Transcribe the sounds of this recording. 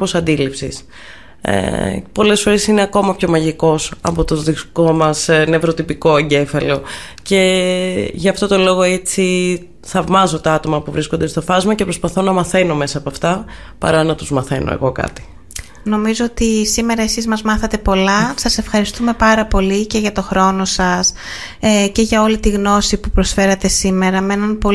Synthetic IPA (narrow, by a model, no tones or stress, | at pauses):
osɐnd̪ilipsḭs | ḛpo̞le̞sfo̞ɾe̞sineɐko̞mɐpço̞mɐʝiko̞sɐ̰po̞t̪oðiko̞mɐsnevɾot̪ipiko̞ɐɲɟe̞fɐlo̞ce̞ | ʝɐːft̪o̞t̪o̞lo̞ɣo̞et͡si | θɐvmɐzo̞t̪oɐt̪o̞mɐpuvɾisko̞nd̪est̪o̞fɐzmɐcepɾo̞spɐθo̞nɐmɐθe̞no̞me̞sɐːpoɐft̪ɐ | pɐ̰ɾɐnɐt̪uzmɐθe̞no̞̰ḛɣo̞kɐ̰t̪i̥ | no̞mizoot̪isime̞ɾɐesizmɐzmɐθɐt̪e̞po̞lɐsɐse̞fxɐɾist̪ume̞pɐɾɐpo̞lice̞ʝɐt̪o̞xɾo̞no̞sɐs | ece̞ʝɐo̞lit̪iɣno̞sipupɾo̞sfe̞ɾɐt̪e̞sime̞ɾɐmeenɐnpo̞